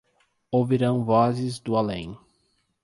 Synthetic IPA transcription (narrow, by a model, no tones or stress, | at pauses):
owviɾɐ̃w̃vɔzɪzd̪ʊalḛ̃j̃